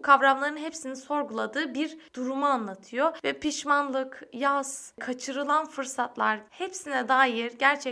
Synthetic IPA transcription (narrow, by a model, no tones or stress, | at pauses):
kʰavɾamlˠaɾɯnɦepsiniso̞ɾɡulˠad̪ɯːbiɾd̪̥uɾumuanlˠat̪ʰɯjovɛpʰiʃmanlˠɯkjazkʰat͡ʃʰɯɾɯlˠanfɯɾsat̪lˠaɾhepsinɛd̪aːjiɾɟæɾt͡ʃʰɛ